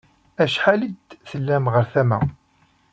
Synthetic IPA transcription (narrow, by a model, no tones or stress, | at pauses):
æʃħalid̪θəlːæmʁəɾθæmæ̰